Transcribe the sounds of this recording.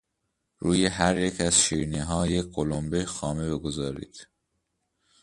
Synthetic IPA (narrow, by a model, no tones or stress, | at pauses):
ɾuːjeɦæɾjecʰæz̥ʃiːɾniɦɒːjecʰɢolombejxɒːmebeɡo̞zɒːɾḭːd̪̥